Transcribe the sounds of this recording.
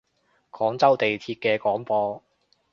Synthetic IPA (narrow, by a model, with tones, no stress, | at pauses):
kʰɔː˨˥ŋt͡sɐ˥wt̪e˨jt̪ʰiː˧t̚kɛː˧kɔː˨˥ŋpɔː˧